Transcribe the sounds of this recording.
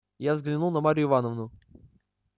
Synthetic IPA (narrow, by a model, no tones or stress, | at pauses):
javzɡlʲɪnulˠnɐmaɾʲɪʊːɪvanəvnʊ